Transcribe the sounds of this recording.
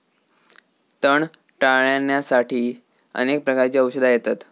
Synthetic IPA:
t̪əɳ | ʈaɭjanjasaʈʰiː | ə̰nek̚pɾəkaɾt͡ɕiːəwɕəd̪ʱajet̪at̪

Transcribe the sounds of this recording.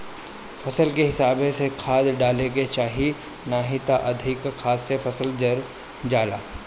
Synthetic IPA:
fɐsəlkeɦɪsaːbesekʰaːd̪ɖaːleɡet͡ʃaːɦi | naːɦit̪aʔɐd̪ʱɪkkʰaːd̪sefɐsəld͡ʒɐɾ | d͡ʒaːlaː

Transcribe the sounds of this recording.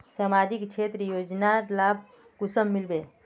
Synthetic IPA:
samad͡ʒikt͡ʃʰet̪ɾəjod͡ʒnaɾlab̚ʱ | ɡusəmːilbe

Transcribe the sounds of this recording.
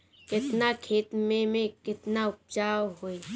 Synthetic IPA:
kɪt̪nakʰeːt̪mẽmẽkɪt̪naʊp̚t͡ʃaːwɦoːi

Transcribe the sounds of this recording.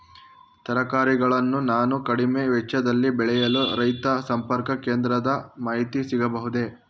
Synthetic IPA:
t̪ɐɾɐkaːɾiɡɐɭɐnːunaːnukɐɽimeʋɛt͡ʃːɐd̪ɐlːibɛɭɛjɐluɾɐjt̪ɐsɐmpɐɾkɐkeːnd̪ɾɐd̪ɐmaːɦit̪isiɡɐbɐɦud̪e̞

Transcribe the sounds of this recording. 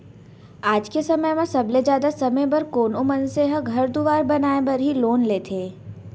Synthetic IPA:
aːd͡ʒkesɐməjmɐ̃sɐbled͡ʒjaːd̪asɐməjbɐɾkoːnomɐnseɦəɡʱɐɾd̪ʊʋaːɾbɐnaːebɐɾɦiloːnleːt̪ʰeː

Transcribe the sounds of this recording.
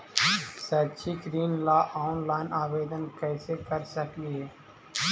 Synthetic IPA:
sətːʃʰiɡɾiːnlaːʔaːʊnlaːɪnaːʋeːd̪ənkɛːsekəɾsəkliɦɛː

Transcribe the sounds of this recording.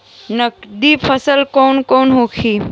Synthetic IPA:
nɐkd̪ipʰəsəlkɔːnkɔːnɦoːkʰiː

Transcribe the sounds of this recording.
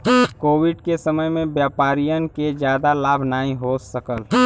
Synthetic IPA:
koːwɪɖkesəməjmẽbjaːpaːɾijənked͡ʒjaːd̪alaːbʱnaːĩɦosəkəl

